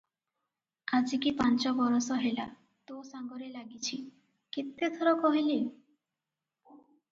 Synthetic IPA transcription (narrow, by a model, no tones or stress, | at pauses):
ad͡ʒikipant͡ʃɔbɔɾɔsɔɦela̰ | t̪osaŋɡɔɾelaɡit͡ʃʰi | kit̪et̪ʰɔɾɔkɔɦili